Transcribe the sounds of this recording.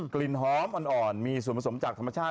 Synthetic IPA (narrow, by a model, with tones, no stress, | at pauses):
kli˧˩nɦɔː˦˥mʔɔ˧nʔɔː˨˩nmiː˧su˨˩˦npʰa˧so˩˦mt͡ɕaː˨˩k̚tʰma˧t͡ɕʰaː˥˩